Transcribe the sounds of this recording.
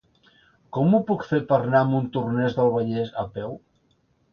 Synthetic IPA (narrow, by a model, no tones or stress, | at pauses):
kɔmupukfepərnaəmunt̪urnɛzðəlˠβəʎɛzəpɛw